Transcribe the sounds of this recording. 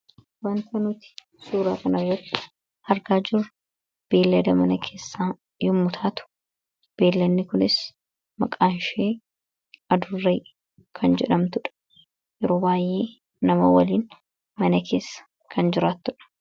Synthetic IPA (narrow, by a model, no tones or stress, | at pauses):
wɐnt̪ɐnʊt̪ɪ̥ | suːɾaːkɐnɐrːɐt̪ːɪ̥ | hɐɾɡaːd͡ʒɪɾʊ | b̥e̞ːlːɐd̪ɐmɐnɐkʰe̞ːsːaː | jʊmːʊt̪ʰaːt̪ʊ̥ | b̥e̞ːlːɐnːɪkʊnɪs | mɐkʼaːnʃeː | ɐd̪ʊrːeː | kʰɐnd͡ʒɛᶑɐmt̪ʊᶑ | jɛɾoːbaːjʔeː | nɐmɐwɐliːn | mɐnɐkʰe̞ːsːɐ̥ | kʰɐnd͡ʒɪɾaːt̪ːʊᶑɐ̥